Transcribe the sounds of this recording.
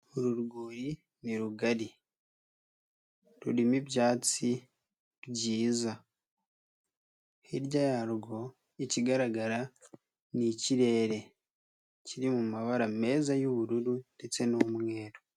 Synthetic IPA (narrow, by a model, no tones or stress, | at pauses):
uɾuɾɡuːɾi | niɾuɡaɾi | ɾuɾimibɟaːt͡si | ɾɟiːza | hiɾɟajaɾɡo̞ | iciɡaɾaɡaɾa | niciɾe̞ːɾe̞ | ciɾimumaβaɾame̞ːzajoβuɾuɾunde̞t͡se̞nomŋwe̞ːɾo